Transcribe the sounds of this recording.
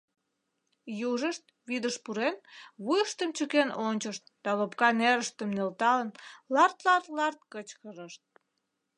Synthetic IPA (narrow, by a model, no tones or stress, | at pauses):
juʒəʃt̪̚ | βid̪əʃpuɾenβujəʃt̪əmt͡ɕəkenʔonʲt͡ɕəʃt̪̚d̪̥ɑlopkɑneɾəʃt̪əmnelt̪ɑlənlɑrt̪lɑrt̪lɑrt̪̚kət͡ɕkəɾəʃt̪̚